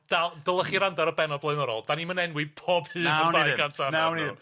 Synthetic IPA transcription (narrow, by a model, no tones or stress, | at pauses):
d̥alˠd̥əlˠəχiɾandaɾəbɛnɔblˠəɨnɔɾɔ̰lˠd̥animənɛnwipʰob̥hɨːnəbajɡantʰanawnð